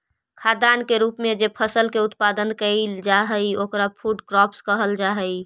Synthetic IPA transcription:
kʰad̪ankeɾupmed͡ʒepʰəsəlkeut̪pad̪ənkəɪld͡ʒaɦəjokɾapʰuɖkɾɔpskəɦəld͡ʒaɦəj

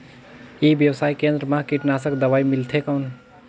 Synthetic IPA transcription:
ibjəwsaːikẽːnd̪ɾəmãkiʈnaːsəkd̪əʋaːimilt̪ʰekəwn

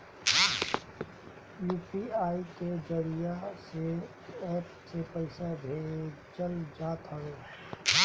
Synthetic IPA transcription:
juːpiaːiked͡ʒəɾijase | ɛːpsepɐɪsabʱeː | t͡ʃəld͡ʒaːt̪ɦɐɦoː

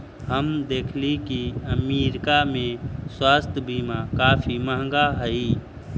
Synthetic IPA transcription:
ɦəmd̪eːkʰlikiəmiːɾkamẽswaːst̪ʰəbiːmakaːfʰiməːɦŋɡaɦəi

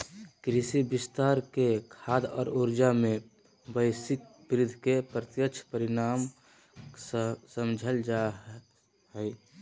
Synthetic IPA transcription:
kɾɪsibɪst̪aːɾkekʰaːd̪ɔ̰ːɾuɾd͡ʒamẽ | bəɪsɪk̚bɾɪd̪ʱkepɾət̪jəkt͡ʃʰpəɾɪnaːm | səmd͡ʒʱəld͡ʒa | hɛː

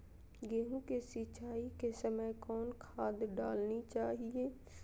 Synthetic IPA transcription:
ɡeːɦũkesit͡ʃaːikesəməjkɔːnkʰaːd̪ɖaːlnit͡ʃaːɦieː

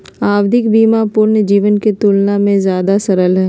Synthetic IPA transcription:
aːwd̪ʱɪkbiːmapʊːɾnəd͡ʒiːʋənket̪uːlnamẽzjaːd̪asɐɾəlɦɛː

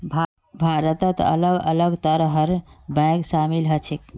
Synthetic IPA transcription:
bʱaɾət̪ət̪ə̰ləɡə̰ləɡt̪əɾɦəɾbãksamilɦət͡ʃʰik

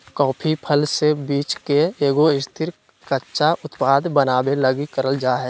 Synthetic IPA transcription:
kɔːpʰipʰəlsebiːt͡ʃkeeːɡoɪst̪ʰɪɾ | kətːʃaʔʊt̪paːd̪bənaːbeləɡikəɾəld͡ʒaːɦeː

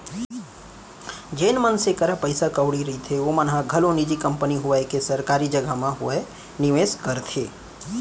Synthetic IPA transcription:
d͡ʒenmənsekəɾapəɪsakəʋɽiɾɐɦit̪ʰeomənɦãɡʱəlõnid͡ʒikə̃mpəniɦʊʋaekesəɾkaːɾid͡ʒəɡamãɦʊʋe | nɪʋeːskəɾt̪ʰeː

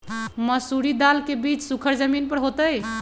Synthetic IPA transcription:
məsuɾid̪alkebit͡ʃsukʰəɾd͡ʒəminpəɾɦot̪əj

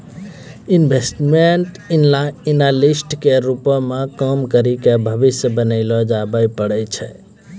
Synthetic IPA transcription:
inbʱesʈmeɳʈ | inlainalisʈkeɾupɔmekəmkəɾikebʱəbisjəbənəɪlɔd͡ʒabəjpəɽɛt͡ʃʰɛ

